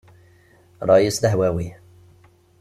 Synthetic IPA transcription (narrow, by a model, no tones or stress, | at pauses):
ɾˤɑʔisləɦwæwi